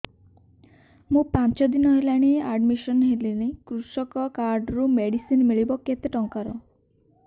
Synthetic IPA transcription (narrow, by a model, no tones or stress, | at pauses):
mũpant͡ʃɔd̪inɔɦelaɽ̃iaɖmiʃɔnɦelinekɾusɔkɔkaɾɖɾumeɽisinmiɭibɔket̪eʈɔŋkaɾɔ̰